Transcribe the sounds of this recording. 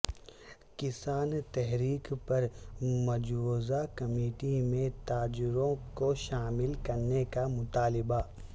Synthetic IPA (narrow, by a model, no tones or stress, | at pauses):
kɪsaːnt̪ɛɦɾiːkpɐɾmɐd͡ʒoːzakɐmeːʈimẽt̪aːd͡ʒɾõkoʃaːmɪlkɐɾnekamʊt̪aːlɪba